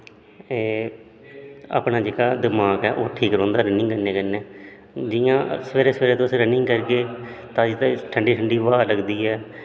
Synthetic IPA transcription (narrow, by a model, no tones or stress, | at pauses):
eː | a̰ːpnaːd͡ʒeːkaːd̪ɪmaːkɛːʔoːʈʰiːkɾõːnd̪aːɾənɪ̃ŋɡkəɾnẽːkəneː | d͡ʒɪjãːsəʋeːɾeːsəʋeːɾeːt̪õəsɾənɪ̃ŋɡkəɾkeːt̪ãːd͡ʒit̪ːʈʰəɳɖiːʈʰəɳɖiːʋaːləɡd̪iːɦɛː